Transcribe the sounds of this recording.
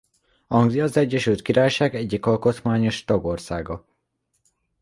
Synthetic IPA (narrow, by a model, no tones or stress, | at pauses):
hɒŋɡziɒzɛɟːɛʃylt̪̚kiɾaːjʃaːɡɛɟːikɒlko̞t̪maːɲo̞ʃt̪ɒɡo̞rsaːɡɒ